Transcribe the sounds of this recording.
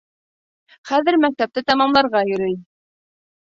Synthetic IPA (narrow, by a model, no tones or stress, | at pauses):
χæðɘ̆ɾmæk̚t̪æp̚t̪ɘt̪ɑmɑmlˠɑɾʁɑjɵ̆ɾɵj